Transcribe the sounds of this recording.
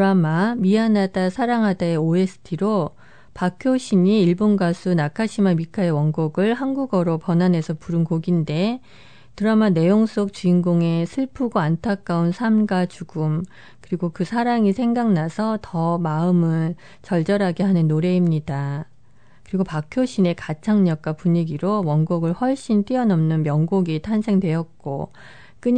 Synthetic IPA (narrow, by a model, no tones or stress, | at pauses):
tɾamamianadasʰaɾaŋɦadaeoe̞sʰɯ̥tʰiɾo | pakʰjoɕʰiɲiːɭbonɡasʰunakʰaɕʰimamikʰaewʌŋɡoɡɯɭhanɡuɡʌɾopʌnane̞sʰʌpuɾɯnkoɡinde̞ | tɯɾamane̞joŋs͈ok̚t͡ɕuiŋɡoŋe̞sʰɯɭpʰuɡoantʰak̚k͈aunsʰamɡat͡ɕuɡum | kɯɾiɡokɯsʰaɾaŋisʰe̞ŋɡaŋnasʰʌtʌmaɯmɯɭ | t͡ɕʌɭd͡ʑʌɾɦaɡe̞ɦanɯnːoɾe̞imɲida | kɯɾiɡopakʰjoɕʰine̞kat͡ɕʰaŋɲʌk̚k͈wapuɲiɡiɾowʌŋɡoɡɯɭɸwʌɭɕ͈int͈iʌnʌmnɯnmjʌŋɡoɡitʰansʰe̞ŋdwe̞jʌt̚k͈o̰ | k͈ɯɲ